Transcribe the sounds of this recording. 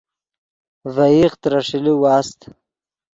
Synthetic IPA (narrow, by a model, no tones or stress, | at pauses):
vaiχt̪ɾaʂiliwɑːst̪